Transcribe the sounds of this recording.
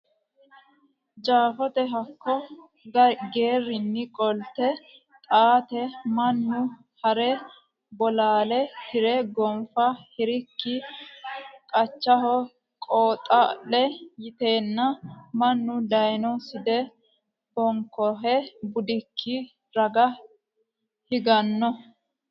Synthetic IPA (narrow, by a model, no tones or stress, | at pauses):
d͡ʒaːfɔt̪ɛɦɐkʰːɔ | ɡɐɡe̞ːrːɪnːɪkʼɔlt̪ɛ | t̪ʼaːt̪ɛmɐnːʊ | hɐɾɛ | bɔlaːlɛhɪɾɛɡɔmfɐhɪɾɪkːɪ | kʼɐt͡ʃːɐɦɔ | kʼoːt̪ʼɐʔɛjɪt̪eːnːɐmɐnːʊd̪ɐjnɔsɪd̪ɛ | bɔŋkɔɦɛbʊd̪ɪkʰːɪ | ɾɐɡɐ | hɪɡɐnːɔ